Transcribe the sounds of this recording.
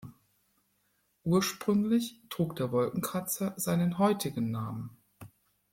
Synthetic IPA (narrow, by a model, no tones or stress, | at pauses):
ʔuːɐʃpʁ̥ʏŋlɪçtʁ̥uːkd̥eːɐvɔlkŋ̩kʰʁat͡sɐzaɪnənɦɔʏtʰɪɡn̩ːaːmən